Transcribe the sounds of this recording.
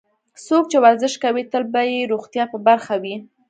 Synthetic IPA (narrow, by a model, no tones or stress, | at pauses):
sok̚t͡ʃewaɾzɪʃkawit̪əlbajeɾoɣt̪jɑpəbaɾxawi